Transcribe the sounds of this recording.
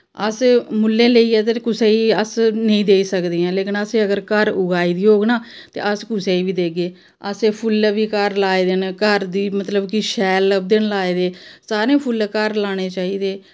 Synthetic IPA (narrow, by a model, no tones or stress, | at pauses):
əsmʊlːẽːleiːɛːt̪eːkʊseːiəsnəĩːd̪eːiːsəkd̪eːãːleːkɪnəseːəɡəɾkəɾʊɡaːiːd̪iːoːɡnaː | t̪ḛːʔəskʊseːiːbiːd̪eːɡeː | əseːpʰʊlʋiːkəɾlaːed̪ɪnkəɾd̪iːmət̪ləbkiʃɛːləb̚d̪ɪnlaːeːd̪eːsaːɾẽːpʰʊlkəɾlaːɽ̃eːt͡ʃaːiːd̪eː